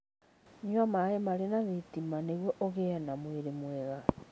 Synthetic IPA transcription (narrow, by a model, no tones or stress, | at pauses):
ɲamaemaɾenaðetimaneɣwɔʔɔɣenamweɾemwɛɣa